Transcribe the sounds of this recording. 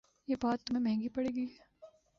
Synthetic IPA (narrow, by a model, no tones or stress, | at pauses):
jeːbaːt̪ːʊmɦẽmɛɦɛ̃ŋɡipɐɽeːɡiɦɛː